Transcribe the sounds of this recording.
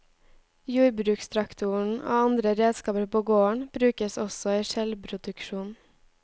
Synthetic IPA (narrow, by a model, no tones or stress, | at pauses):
juːɾbɾʉːkst̪ʰɾɑkt̪ʰʊɳ̩ʔo̰ːɑnd̪ɾəɾeːd̪skɑːpəɾpʰoːɡoːəɳb̥ɾʉːkəsɔsɔiːʃɛlbɾʊd̪ʉkʃuːn